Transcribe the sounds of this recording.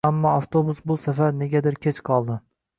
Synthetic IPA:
amːɒaft̪ʰobʊsbʊsafaɾne̞ɡʲad̪ɪɾkʲʰet͡ʃqʰɒlˠd̪ɪ

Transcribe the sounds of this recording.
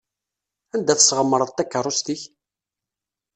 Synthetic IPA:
ænd̪æθəsʁəmːəɾˤəðˤt̪ːækːərˤʊst̪iç

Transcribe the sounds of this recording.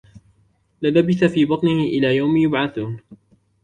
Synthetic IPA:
lɪlabɪθafiːbɑt̪ˤnɪhɪʔɪlaːjawmjʊbʕaθuːn

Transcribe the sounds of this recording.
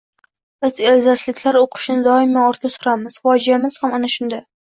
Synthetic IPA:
b̥ɪzelzaslɪkʲʰlaɾoqʰɨ̥ʃnɪd̪ɒɪmːaɒɾt̪̚ɡʲasʊɾamɪz̥fɒd͡ʒijamɪz̥hamanaʃʊnd̪a

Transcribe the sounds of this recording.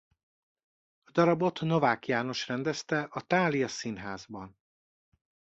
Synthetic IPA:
ɒd̪ɒɾɒbo̞t̪no̞vaːkjaːno̞ʃrɛnd̪ɛst̪ɛʔɒt̪aːlijɒsinɦaːzbɒn

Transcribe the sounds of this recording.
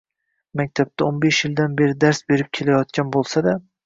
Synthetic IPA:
mak̚ʲt̪ʰap̚t̪ʰaonbeʃjɪld̪anbe̞ɾɪd̪aɾsbe̞ɾɪp̚kʲʰe̞lajɒt̪̚kʲanbolˠsad̪a

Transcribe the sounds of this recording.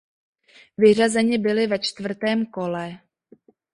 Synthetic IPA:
vɪr̝azɛɲɪbɪlɪvɛt͡ʃt̪vr̩t̪ɛːmko̞lɛ

